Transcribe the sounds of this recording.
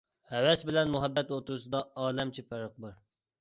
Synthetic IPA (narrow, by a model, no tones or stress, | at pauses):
hɛwɛsbɪlɛnmuɦɛbːɛt̪ot̪uɾusɨd̪ɑɑːlɛmt͡ʃʰipæɾəq̚b̪uɾ